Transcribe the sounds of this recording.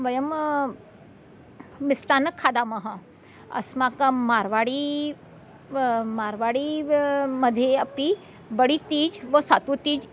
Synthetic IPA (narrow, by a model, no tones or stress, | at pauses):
ʋɐjɐm | ɪsʈaːnɐkʰːaːd̪aːmɐɦɐ | ɐ̰smakmaːɾʋaːɽi | maːɾʋaːɽi | mɐd̪ʱjeɐpi | bɐɽit̪iːd͡ʒʋɐsaːt̪ut̪iːd͡ʒ